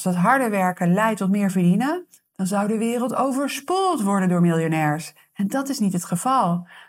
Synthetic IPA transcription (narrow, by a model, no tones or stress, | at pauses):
sdɑtɦɑɹdəʋɛɹkənlɛjtɔtmɪːɹvəɹdinən | d̥ɑnzʌwdəʋɪːrəlˠtowvəɹspulˠtʋɔɹdəndʊːɹmɪlˠjonɛːɹs | ɛndɑtɪsnitətχəv̥ɑlˠ